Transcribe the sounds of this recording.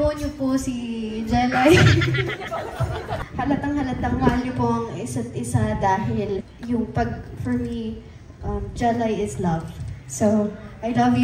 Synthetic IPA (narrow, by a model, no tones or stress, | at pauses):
oʊnʊpʊsid͡ʒɛlaj | hɐlɐt̪ɐŋhɐlɐt̪ːɐŋwaːlɲopoʔɐŋɪsɐt̪̚ʔɪsad̪aːhɪl | jʊŋpɐɡ̚fɔɹmi | ʔɐmd͡ʒɛlajɪslɐvsoʔɐjlɐvj